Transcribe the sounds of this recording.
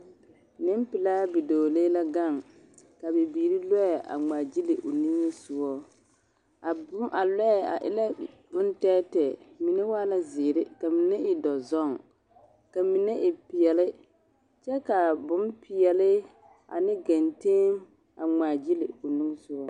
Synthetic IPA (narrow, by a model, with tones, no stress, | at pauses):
nɪ˦mpɪ˨laː˦bi˨doː˨le˦la˦ɡa˦˨ŋ | ka˨be˨biː˨ɾi˦lɛ˦ɛ˨ʔa̰˨ŋ͡ma˨d͡ʒi˦lɪ˨ʔʊ˨nĩ˦ŋe˦sʊ˦ɔ˦ | a˨bʊ˦mʔa˨lɛ˦ɛ˨a̰˨ʔɪ˦la˦ | bʊ˦ntɛː˦tɛ˨mi˨ne˦waː˦la˦zɪː˨ɾɪ˦ka˨mi˨ne˦ʔɪ˨dɔ˨zɔ˦˨ŋ | ka˨mi˨nɛ˦ʔɪ˨pɪ˨jɛ˨lɪ˦ | t͡ʃɛ˦ka˨bʊ˦mpɪ˨ɛ˨lɪ˦ | ʔa̰˨nɪ˦ɡa˨nte˦m | a˨ŋ͡maː˨d͡ʒi˦lɪ˨ʊ˨nĩ˦ŋ˦sʊ˦ɔ˦